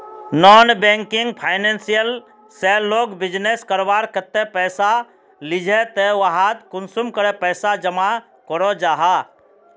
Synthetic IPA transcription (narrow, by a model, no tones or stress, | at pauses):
nɔːnbeŋkɪŋɡ̚pʰaɪnẽnsijəl | selːoːɡbɪd͡ʒneskəɾbaːɾkət̪ːepɛːsa | lɪd͡ʒʱet̪ewaɦat̪kʊnsumkəɾɛpɛːsad͡ʒəma | kɔɾɔd͡ʒaːɦa